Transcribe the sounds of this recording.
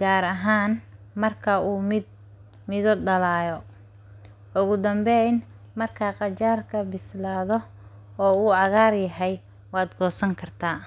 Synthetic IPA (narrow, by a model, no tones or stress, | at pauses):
ɡ̥aːɾɐɦaːn | mɐrkʰɐʔuːm | mɪðɔɖɐlaːjɔ | ʔʊɣʊd̪ɐmbɛjn | mɐrkʰaːqɑt͡ʃaːrkʰɐbɪslaːðɔ | ɔːuːʕɑɣaːrjɐɦɛj | wɑːd̪ɡɔːsɐŋkʰɐrt̪ʰaː